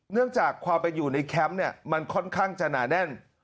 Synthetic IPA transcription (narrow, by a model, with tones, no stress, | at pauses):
nɯ˥˩əŋt͡ɕaː˨˩kʰːwaː˧mpe˧njuː˨˩na˧jkʰɛ˦˥mni˥˩ɐma˧nkʰɔ˥˩nkʰaː˥˩ŋt͡ɕa˨˩naː˩˦nɛ˥˩n